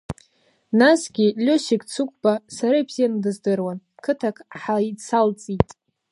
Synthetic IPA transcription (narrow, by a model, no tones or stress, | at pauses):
nasɡʲilʲoʃikʲʼt͡sʰukʷʼb̥asaɾaibz̥ijandɨzdɨrwankʰɨtʰakʰħait͡sʰalt͡sʼitʼ